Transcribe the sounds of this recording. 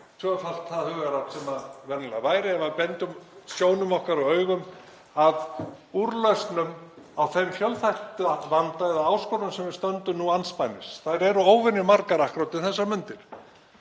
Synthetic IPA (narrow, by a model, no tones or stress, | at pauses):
t̪ʰœfal̥t̪θaðhʏɣaɾawt̪sɛmavɛɾnɪlavaːjɾɪɛvaðpɛnt̪ʏmsjoːwnʏmɔhkaɾawœːɥɣʏm | að | uɾlœɥst̪nʏm | awθejmfjœlθajht̪ʏavant̪aɛðaaːwskoɾʏmsɛmvɪɾ̥st̪œnt̪ʏmnuanspajnɪsθaɾɛɾʏoːwvɪnːɪmaɾkaɾahkɾawt̪ɪθɛsːaɾmʏnt̪ɪɾ̥